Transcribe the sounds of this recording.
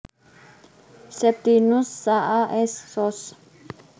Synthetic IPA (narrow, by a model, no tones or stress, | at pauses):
sɛp̚t̪inusːaʔaʔɛsːɔs